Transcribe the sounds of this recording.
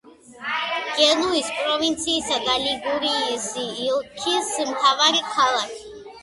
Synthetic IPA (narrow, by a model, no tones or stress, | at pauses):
ɡ̥ɛnuispʼɾɔvint̪sʰiːsad̪aliɡuɾisiːlˠkʰismt̪ʰavaɾikʰalˠakʰi̥